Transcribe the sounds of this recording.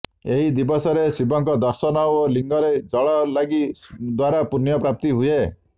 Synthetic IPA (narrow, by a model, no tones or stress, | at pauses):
eɦid̪ibɔsɔɾesibɔŋkɔd̪ɔɾsɔnɔoliŋɡɔɾed͡ʒɔɭɔlaɡid̪waɾapunjɔpɾap̚t̪iɦue